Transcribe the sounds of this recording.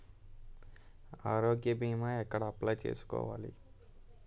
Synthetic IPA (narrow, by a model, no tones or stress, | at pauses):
aːɾoɡjəbimãekəɽaplat͡ʃḛsko̰ʋa̰lḭ